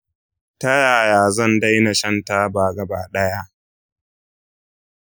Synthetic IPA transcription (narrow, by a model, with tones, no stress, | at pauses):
tɐ˦jaː˨jaː˨zɐ˦˨nda˦jna˨ʃɐ˦nta˦baː˨ɡɐ˨baː˨ɗɐ˦ja˦ʔ